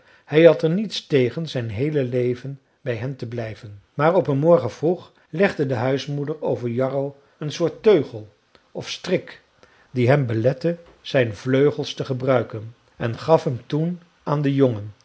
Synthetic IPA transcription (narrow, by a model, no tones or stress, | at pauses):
hɛjɦɑtɛɹnitstejχənzɛjnɦejləlejvən | bɛjɦɛmtəblɛjvənmaːɹɔpənmɔɹχənv̥ruχ | lɛχdədəɦœɥsmudəɹowvəɹjɑrow | ənsʊːɹtøɥχəlˠ | ɔfstrɪk | diɦɛmbəlɛtə | z̥ɛjnvløɥχəlˠstəχəbrœɥkən | ɛnχɑfɦɛmtun | aːndəjoŋən